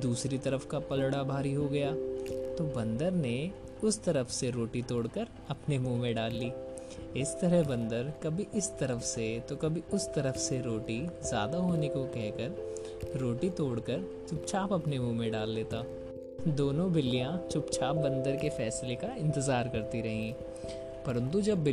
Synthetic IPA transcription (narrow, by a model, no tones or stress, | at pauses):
d̪uːsɾit̪ɐɾəfkapɐlɽabʱaːɾiɦoɡɐjaːt̪obɐ̃nd̪əɾne | ʊst̪ɐɾəfseɾoːʈit̪oːɽkəɾ | ɐpnemũːmẽɖaːlːiː | ɪst̪ɐɾəɦbɐ̃nd̪əɾkɐbʱiʔɪst̪ɐɾəfset̪okɐbʱiʊst̪ɐɾəfseɾoːʈizja̰ːd̪aɦoːnekokɛɦkəɾ | ɾoːʈit̪oːɽkəɾ | t͡ʃʊpt͡ʃʰaːpɐpnemũːmẽɖaːlːeːt̪aː | d̪oːnõbɪlːijãt͡ʃʊpt͡ʃʰaːp̚bɐ̃nd̪əɾkefɛːslekaɪ̃nt̪ɪzaːɾkɐɾt̪iɾɐɦĩɦɛ̃ː | pɐɾə̃nt̪ud͡ʒɐbːɪ